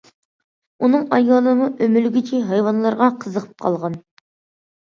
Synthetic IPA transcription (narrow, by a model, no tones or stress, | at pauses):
unɨŋɑjɑːlˠəməʔømylɡʲit͡ʃʰɪɦɑjwɑnlˠɑɾʁɑqʰəzəqʰə̥p̚qʰɑ̰lˠʁɑn